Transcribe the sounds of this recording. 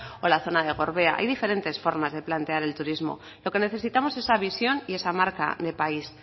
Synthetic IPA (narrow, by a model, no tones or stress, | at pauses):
o̞laθo̞naðe̞ɣ̞o̞ɾβe̞a̰ʔa̰jðife̞ɾe̞nt̪e̞sfo̞ɾmazðe̞plant̪e̞aɾe̞lt̪uɾizmo̞̰ | lo̞ke̞ne̞θe̞sit̪amo̞se̞saβisjo̞nie̞samaɾka̰ðe̞pais